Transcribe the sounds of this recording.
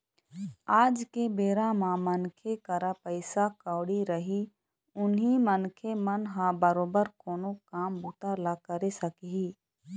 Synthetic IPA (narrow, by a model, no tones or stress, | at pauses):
aːd͡ʒkebeːɾãmãmənkʰekəɾapəɪsakəʊɽiɾəɦi | ʊnɦimənkʰemənɦãbəɾoːbəɾkoːnokaːmbʊt̪aɾlakəɾesəkɦiː